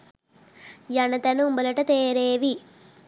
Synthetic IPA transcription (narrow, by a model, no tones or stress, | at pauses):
jɐnɐt̪ɐnumbɐlɐʈɐt̪eːɾeːʋi